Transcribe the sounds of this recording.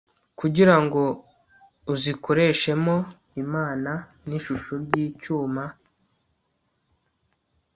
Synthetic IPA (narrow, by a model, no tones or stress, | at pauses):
kuɟiɾaŋɡo̞ | uzikʰo̞ɾe̞ʃe̞mo̞ | imaːna | niʃuʃoɾɟiːcuːma